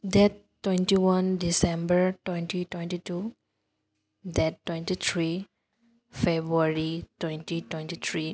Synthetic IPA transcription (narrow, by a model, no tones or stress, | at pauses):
d̪ɛʈːwẽnʈiwʌ̃nɖisẽmbəɾʈwẽnʈiʈwẽnʈiʈu | d̪ɛʈːwẽnʈit̪ʰɾi | febɾuaɾiʈwẽnʈiʈwẽnʈit̪ʰɾi